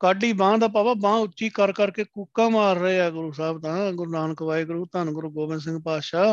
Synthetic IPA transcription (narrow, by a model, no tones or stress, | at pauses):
kaːɖiːbãːd̪aːp̬aːbaːbãːʊtt͡ʃːʃiːkəɾkəɾkeːkuːkãːmaːɾːəeːaːɡʊɾuːsaːbt̪ãːɡʊɾunaːnkəʋaːiːɡʊɾuːt̪ənɡʊɾuːɡoːbɪnsɪ̃ŋɡpaːʃaː